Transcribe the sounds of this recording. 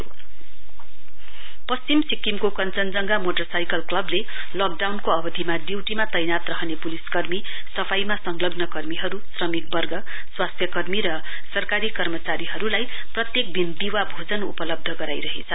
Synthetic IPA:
pʌst͡simsikimkokʌnt͡sʌnd͡zʌŋɡamoʈʌrsajkʌlklʌble | lʌk̚ɖawnkoʌbʌd̪ʱimadiwʈimat̪ʌjnat̪rʌɦʌnepuliskʌrmi | sʌpʰajmasʌŋlʌɡnʌkʌrmiɦʌɾusrʌmik̚bʌrɡʌ | swast̪ʰjʌkʌrmiɾʌ | sʌrkaɾikʌrmʌt͡saɾiɦʌɾulaj | prʌt̪jek̚d̪ʱind̪iwabʱod͡zʌnṵpʌlʌb̚d̪ʱʌɡʌɾajɾʌɦḛt͡sʰʌ

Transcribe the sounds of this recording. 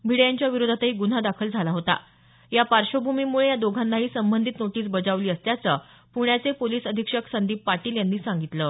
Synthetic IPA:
bʱiɽjaɲt͡ɕjaʋiɾod̪ʱat̪ɦiːɡun̤ad̪akʰəld͡zʱalaɦot̪a̰ | japaɾɕobʱumimuɭejad̪oɡʱanːaɦiːsəmbənd̪ʱit̪noʈiːsbəd͡zaʋliːəst̪jat͡sə | puɽjat͡sepoliːsəd̪ʱikʂəksənd̪iːpːaʈiːljanːiːsãŋɡit̪lə

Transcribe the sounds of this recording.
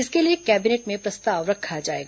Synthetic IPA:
ɪskeliekɛːbineːʈmẽpɾɐst̪aːʋɾɐkʰːad͡ʒaːḛːɡa

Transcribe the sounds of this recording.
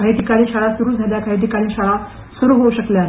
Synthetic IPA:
aɦit̪ikaɽiːɕaɭasuɾuːd͡zʱaljakʰaɦit̪̬ikaɽiːɕaɭa | suɾuːɦouɕəklja

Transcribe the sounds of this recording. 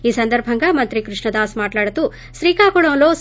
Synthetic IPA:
iːsɐnd̪ɐɾbʱɐŋɡɐmɐnt̪ɾikɾuʂɳɐd̪aːsmaːʈlaːɽɐt̪u | sɾiːkaːkɔɽoːloːs

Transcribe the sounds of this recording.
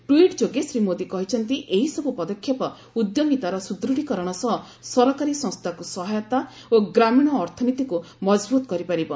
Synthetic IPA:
ʈuiʈd͡ʒoɡesɾimod̪ikɔɦit͡ʃʰɔnt̪iʔeɦisɔbupɔd̪ɔkʰːjapɔ | ud̪joɡit̪aɾɔsud̪ɾuɽikɔɾɔɽ̃ɔsɔɦ | sɔɾɔkaɾisɔ̃ŋst̪ʰakusɔɦajɔt̪a | oɡɾamiɽ̃ɔːɾt̪ʰɔnit̪iku | mɔd͡ʒbut̪ɔkɔɾipaɾibɔ

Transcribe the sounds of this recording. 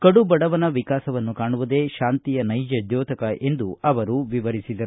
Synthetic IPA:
kɐɽubɐɽɐʋɐnɐʋikaːsɐʋɐnːukaːɳuʋud̪e̞ːʃaːnt̪ijɐnɐjd͡ʒɐd̪jɔːt̪ɐkɐʔe̞nd̪uɐʋɐɾuʋiʋɐɾisid̪ɐɾ

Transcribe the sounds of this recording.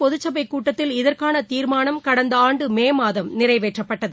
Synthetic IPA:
pɔðɯt͡ʃːɐbɐɪkːuːʈːɐt̪ːɪlɪðɐrkaːnɐt̪iːɾmaːnɐmkɐɽɐnd̪ɐaːɳɖɯmeːmaːðɐmnɪrɐɪʋeːʈrɐpːɐʈːɐðɯ

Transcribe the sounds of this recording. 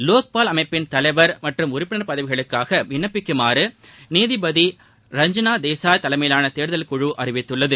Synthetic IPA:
loːk̚paːlɐmɐɪpːɪnt̪ɐlɐɪʋɐɾmɐʈrɯmʊɾɪpːɪnɐɾpɐðɐʋɪɣɐɭɯkːaːɣɐʋɪɳːɐpːɪkːɯmaːɾɯneːðɪbɐði | ɾɐɲd͡ʒɐnaːd̪eːsaːt̪ɐlɐɪmɐjlaːnɐt̪eːɾðɐlkʊɻɯʔɐrɪʋɪt̪ːɯɭːɐðɯ

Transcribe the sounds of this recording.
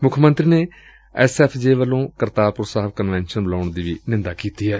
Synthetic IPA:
mʊkʰmə̃nt̪ɾiːneː | ɛsɛːpʰd͡ʒeːʋəlːõːkəɾt̪aːpʊɾsaːʋkənʋɛːnʃənbəlaːʊɳd̪iːʋiːnɪ̃nd̪aːkiːt̪iːɦɛː

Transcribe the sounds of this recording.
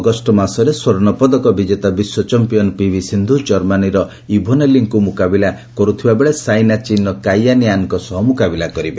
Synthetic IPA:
ɡɔsʈɔmasɔɾeswɔɾɔnɔpɔd̪ɔkɔbid͡ʒet̪abiswɔt͡ʃɔmpijɔnɔpibʱisind̪ʱud͡ʒɔɾmaniɾɔ | ibʱɔneliŋkumukabila | kɔɾut̪ʰibabeɭesajnat͡ʃinɔkajaniaŋɔŋkɔsɔɦɔmukabilakɔɾibe

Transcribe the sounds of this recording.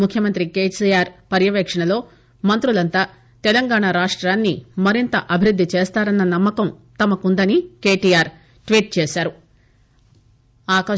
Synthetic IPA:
mukʰjɐmɐnt̪ɾikeːsiaːɾpɐɾjɐʋɛːkʂɐɳɐlo̞ː | mɐnt̪ɾulɐnt̪aː | t̪ɛlɐŋɡaːɳaɾaːʂʈɾaːnːimɐɾint̪ɐʔɐbʱiɾud̪ːit͡ʃeːst̪aːɾɐnːɐnɐmːɐkɐmt̪ɐmɐkund̪ɐnike̞ːʈiːjaːɾ | ʈʋiːʈ̚t͡ʃeːʃaːɾu | aːkɐ

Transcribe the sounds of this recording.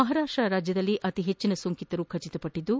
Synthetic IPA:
mɐɦaɾaːʂʈɾɐɾaːd͡ʒjɐd̪ɐlːiʔɐt̪iɦet͡ʃːinɐsuŋkit̪ɐɾukʰɐt͡ʃit̪ɐpɐʈːid̪ːu

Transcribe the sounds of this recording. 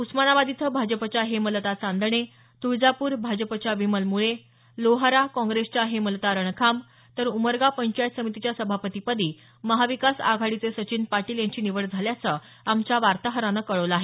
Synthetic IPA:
usmanaʋad̪it̪ʰəbʱad͡ʑəpət͡ɕaɦeməlt̪at͡sand̪ɳe | t̪uɾd͡zapuːɾbʱad͡ʑəpət͡ɕjaʋiməlmuɭe | loɦaɾakɔ̃ŋɡɾest͡ɕaɦeməlt̪aɾəɳkʰam | t̪əɾuməɾɡapəɲt͡ɕajt̪səmit̪it͡ɕjasəbʱapət̪ipəd̪iː | məɦaʋikasa̰ɡʱaɽit͡sesət͡ɕiːnpaʈiːljãɲt͡ɕiːniʋəɭd͡zʱaljat͡sə | amt͡ɕjaʋaɾt̪aɦəɾanəkəɭəʋlaːɦe

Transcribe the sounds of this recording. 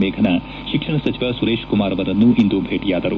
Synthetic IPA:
meːɡʱɐnɐ | ʃikʂɐɳɐsɐt͡ʃʰiʋɐsuɾeːʃkumaːɾɐʋɐɾɐnːuʔind̪ubʱeːʈijaːd̪ɐɾṵ

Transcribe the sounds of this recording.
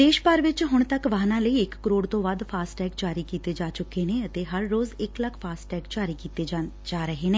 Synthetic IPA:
d̪eːʃpaɾʋɪt͡ʃɦʊɳt̪əkʋaːnãːləiːɪkːəɾoːɽt̪õːʋaːd̪pʰaːsʈɛːkd͡ʒaːɾiːkiːt̪eːd͡ʒaːt͡ʃʊkːeːneːət̪eːɦəɾːoːzɪkləkʰpʰaːsʈɛːkd͡ʒaːɾiːkiːt̪eːd͡ʒ | d͡ʒaːɾəɦeːneː

